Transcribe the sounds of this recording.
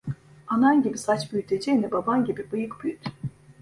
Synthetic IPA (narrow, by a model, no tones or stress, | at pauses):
ananɟibisat͡ʃbyjt̪ʰed͡ʒenɛbabanɟibibɯjɯkbyjt̪